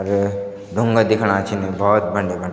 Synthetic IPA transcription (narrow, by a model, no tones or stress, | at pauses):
ɾ | d̪ʱũŋɡəd̪ɪkʰɽ̃at͡ʃʰinẽbʱɔːt̪̚bʱə̃ɳɖebə̃ɳ